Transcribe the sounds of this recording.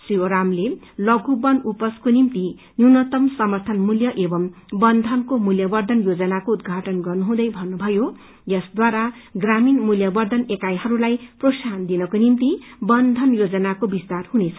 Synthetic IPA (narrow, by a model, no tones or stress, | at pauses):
srioɾamle | lʌɡʱubʌnupʌskonimt̪i | njunʌt̪ʌmsʌmʌrt̪ʰʌnmuljʌʔebʌm | bʌnd̪ʱʌnkomuljʌbʌrd̪ʱʌnjod͡zʌnakoud̪̚ɡʱaʈʌnɡʌrnuɦũd̪ʌjbʱʌnːubʱʌjo | jʌsd̪waɾaɡraminmuljʌbʌrd̪ʱʌnekajɦʌɾulajprosand̪inʌkonimt̪ibʌnd̪ʱʌnjod͡zʌnakobist̪arhunet͡sʰʌ